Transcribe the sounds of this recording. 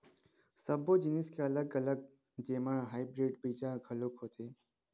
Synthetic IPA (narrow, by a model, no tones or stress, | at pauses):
səbʱod͡ʒɪniskʰeɐləɡɐləɡ̚ | d͡ʒeːmãɦaːibɾeːɖbid͡ʒaɡʱəlokɦoːt̪ʰeː